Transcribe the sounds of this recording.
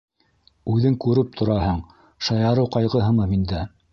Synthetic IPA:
ʉðɘŋkʉɾɘp̚t̪ʰŏɾɑhɤɴ | ʃɑjɑɾɤwqɑjʁɤɦɤ̆mɤmind̪æ

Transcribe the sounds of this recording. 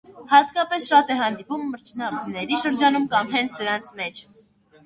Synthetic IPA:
hɑt̪kɑpɛsʃɑt̪ɛɦɑnd̪ipumːəɾt͡ʃʰnɑbnɛɾiʃəɾd͡ʒɑnumkɑmɦɛnt͡sʰd̪əɾɑnt͡sʰmɛt͡ʃʰ

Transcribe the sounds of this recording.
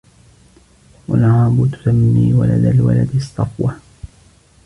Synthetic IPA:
walʕaːbʊt̪ʊ̥samːiːwa̰lad̪alwa̰lad̪sˤːɑfwɑ

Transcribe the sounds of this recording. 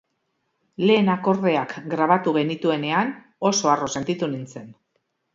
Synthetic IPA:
le̞ːnako̞ɾðe̞akɡɾaβat̪uɣe̞nit̪ue̞ne̞an | o̞so̞aro̞se̞nt̪it̪unint͡se̞n

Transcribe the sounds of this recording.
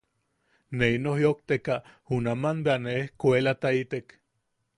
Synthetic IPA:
neinohjok̚t̪ekahunamanbeaneehkoelat̪ait̪ek

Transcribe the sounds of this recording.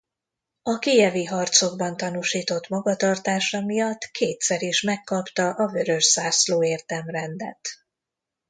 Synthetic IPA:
ɒkijɛviɦɒrt̪so̞ɡ̚bɒnt̪ɒnuːʃiːt̪o̞t̪mɒɡɒt̪ɒrt̪aːʃɒmijɒt̪ːkʰeːt̪sɛɾiʃmɛkːɒpt̪ɒʔɒvø̞ɾø̞ʃsaːsloːeːrt̪ɛmrɛnd̪ɛ̰t̪

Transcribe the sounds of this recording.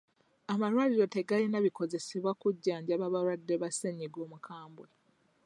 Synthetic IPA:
amaɾwaliɾo̞te̞ɡalinaβiko̞ze̞seβwakuɟːaːɲɟaβaβaɾwadːeβaseɲiɡo̞ːmukʰaːmbwe

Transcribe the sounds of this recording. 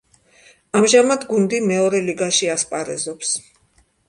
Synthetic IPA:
amʒamad̪ɡund̪imɛɔɾɛliɡaʃiaspʼaɾɛzɔps

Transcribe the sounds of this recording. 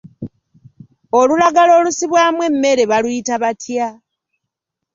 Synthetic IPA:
o̞lulaɡalo̞ːlusiβwaːmwe̞mːe̞ɾe̞βalujitaβatʰja

